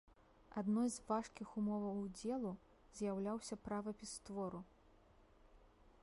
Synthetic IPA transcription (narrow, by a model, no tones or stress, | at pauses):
ad̪nɔjzvaʂkʲixumɔvɐwd͡zʲɛlˠu | zʲjawlʲawsʲɐpɾavɐpʲist̪vɔɾu